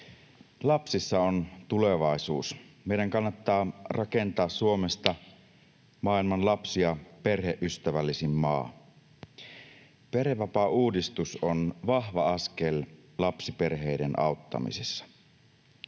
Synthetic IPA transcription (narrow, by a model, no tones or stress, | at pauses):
lɑpsisːɑont̪uleʋɑˑisuːsmeiɾæŋkɑnːɑt̪ːɑːrʔɑkent̪ɑːssuomest̪ɑ | mɑːˑilmɑnlɑpsiɑpe̞rɦeʔʔyst̪æʋælːisimːɑ̰ːn | pereʋɑpɑuːdist̪usonʋɑhʋɑɑskellɑpsiperɦeidenʔɑ̰ˑout̪ːɑ̰mḭsesːɑ̥